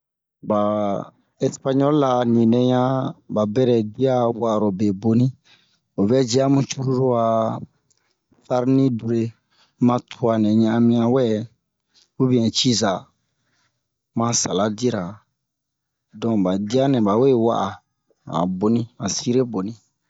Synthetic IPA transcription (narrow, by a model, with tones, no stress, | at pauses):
ba˨ | ɛ˦spa˦ɲɔ˦lla˧nĩ˨nɛ̃˨ɲã˦ba˨bɛ˦ɾɛ˨di˦a˦wa˦ʔɾo˨be˨bo˨nĩ˦ | o˨bɛ˦d͡ʒi˦a˦mũ˦t͡ʃu˦ɾu˦ɾu˦a˨ | fa˦ɾnĩ˦du˨ɾe˨ | mã˧tʰu˨˦a˨nɛ̃˨ɲã˦˨a˧mĩ˧ã˨wɛ˦ | wu˦bi˦ɛ̃˨t͡ʃi˦za˨ | mã˧sa˨la˦di˦ɾa˨ | dɔ̃˨ba˨di˦a˦nɛ̃˨ba˨we˦wa̰˦ʔa˨ | ã̰˨bo˨nĩ˦ã˨si˦ɾe˦bo˨nĩ˨˦